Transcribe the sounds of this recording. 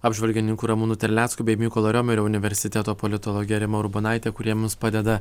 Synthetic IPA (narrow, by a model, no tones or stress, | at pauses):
ɑːbʲʒʲʋʲɐlʲɡʲɪnʲɪŋkuːɾɐmuːnuːt̪ʲɛɾʲlʲæːt̪skuːbʲɛɪmʲiːkoːlˠɐɾʲoːmʲʊɾʲoʊnʲɪʋʲɛɾʲsʲɪt̪ʲɛt̪oːpɔlʲɪt̪ɔlˠɔːɡʲɪjɛɾʲɪmɐɾʊbɐnɑˑɪt̪ʲeːkʊɾʲiɛmʲɪspɑːd̪ʲɛd̪ɐ